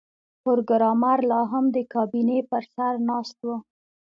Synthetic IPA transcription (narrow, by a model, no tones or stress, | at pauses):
pʊɾɡɾɑmaɾlɑɦamd̪əkɑbinepəɾsaɾnɑst̪wə